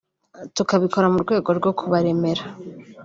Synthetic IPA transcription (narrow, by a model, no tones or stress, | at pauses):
tukaβiko̞ɾamuɾɡwe̞ːɡo̞ɾɡo̞kʰuβaɾe̞me̞ɾa